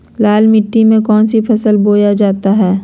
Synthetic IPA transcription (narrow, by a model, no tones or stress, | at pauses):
laːlmɪʈːimẽkɔːnsipʰɐsəlboːjad͡ʒaːt̪aɦɛː